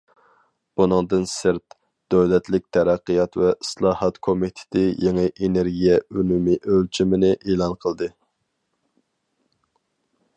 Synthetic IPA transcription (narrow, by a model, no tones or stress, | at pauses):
b̥unɨŋd̪ɨnsɨɾt̪ | d̪̥øwlɛt̪lɪk̚ʲt̪ʰɛɾæqːəjɑt̪vɛislˠɑːhɑt̪kʰomit̪ʰɪ̥t̪ʰɪjeŋɨʔeneɾɡʲijɛymumiʔølt͡ʃʰimɪnɪʔeːlˠɑnqʰəlˠd̪ɨ